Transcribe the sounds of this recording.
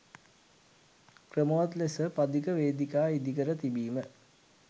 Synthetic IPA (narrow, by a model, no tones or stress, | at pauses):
krəmoʋɐt̪lesəpɐd̪ikəʋeːd̪ikaːid̪ikəɾət̪ibiːmə